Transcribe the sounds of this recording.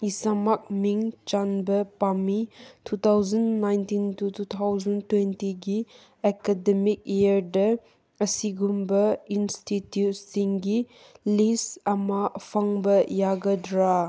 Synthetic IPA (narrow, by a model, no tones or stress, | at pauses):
isamak̚miŋt͡ʃanbɐpamitʰut̪ʰawzɐnːajntintutut̪ʰawzɐntwentiɡi | ekademik̚iəɾdɐ | əsiɡumbɐinstitjut̚siŋɡi | lisɐmafʰaŋbɐjaɡɐdɾa